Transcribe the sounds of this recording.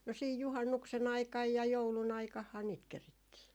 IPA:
no siːj juhɑnːuksen ɑikɑj jɑ joulun ɑikɑhːɑː niːt keritːiː

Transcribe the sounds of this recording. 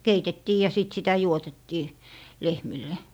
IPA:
keitetːiː jɑ siˑt sitæ juotetːiː lehmilːe

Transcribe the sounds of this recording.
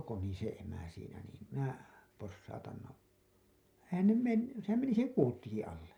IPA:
koni se emæ siːnæ niːm minæ posːɑutɑn no eihæn ne menː sehæm meni se kuːtːiki ɑlːe

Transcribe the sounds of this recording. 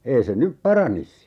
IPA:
ei se nyp pɑrɑnis

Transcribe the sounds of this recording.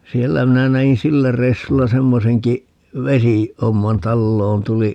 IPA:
sielːæ minæ næin silːæ reisːulːɑ semːoseŋki ʋesi homːɑn tɑlːoːn tuli

